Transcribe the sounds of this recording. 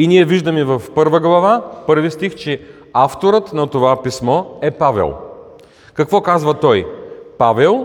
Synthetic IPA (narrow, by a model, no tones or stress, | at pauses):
inʲiɛviʒd̪əmivɐfpɤɾvəɡlˠɐvapɤɾvist̪ixt͡ʃɛ | aft̪oɾət̪nɐt̪ovapismɔɛpavɛ̰lˠ | kɐkvɔkazvət̪ɔjpavɛlˠ